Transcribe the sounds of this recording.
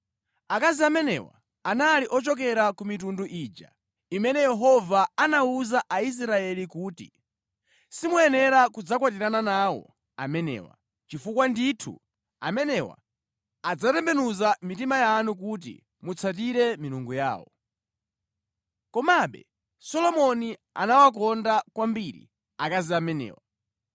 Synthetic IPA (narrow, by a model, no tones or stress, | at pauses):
akaziamɛnɛ̰wa̰ | analiʔɔt͡ʃɔk̬ɛɾakumit̬unduʔiːd͡ʒa̰ | imɛnɛjɛɦɔvaanauzaʔais̬ɾaɛlikuːtḭ | simuɛnɛɾakud͡zakwatiɾananaːwɔ̰ | a̰mɛnɛ̰ːwa̰ | t͡ʃifukwanditʰṵ | a̰mɛnɛwa̰ | ad͡zatɛmbɛnuzamitimajanuk̬ut̬ḭ | mut͡sʰat̬iɾɛmiɾuŋɡuja̰ːwɔ̰ | kɔmaɓɛ̰ | sɔlɔmɔnia̰nawak̬ɔndakwambiɾḭ | akaziamɛnɛ̰ːwa̰